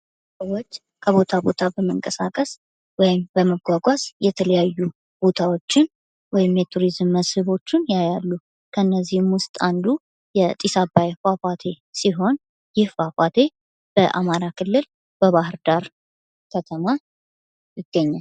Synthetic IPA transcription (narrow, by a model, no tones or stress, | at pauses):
səwot͡ʃː | kʰəβo̞t̪ʰabo̞t̪ʰabəməŋkʼəsakʼəs | wɔjɪmbəməɡʷaɡʷasjɛt̪ʰələjajːu | b̥o̞t̪ʰawo̞t͡ʃːɪn | wɔjɪmjɛt̪ʰuɾizmːəshɨβo̞t͡ʃːɪnjajalːu | kʰənːəzːihmwʊst̪ʼand̪u | jɛt̪ʼisabajfafʼat̪ʰe̞ | siɦo̞n | jɪhfafʼat̪ʰe̞ | b̥əʔa̰maɾakʰɨlːɨl | b̥əβahɨɾd̪aɾ | kʰət̪ʰəma | jɪɡːəɲːal